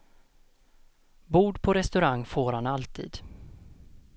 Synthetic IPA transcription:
buːɖpʰɔɾɛst̪ɵɾaŋːfoːɾhanalt̪ʰḭːd̪̥

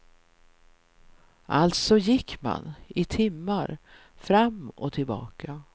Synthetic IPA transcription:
ʔalt̪sɔjɪkːma̰nɪt̪ʰɪmːaɾ | fɾamːɔ̰t̪ʰɪlbɑ̰ːkʰa

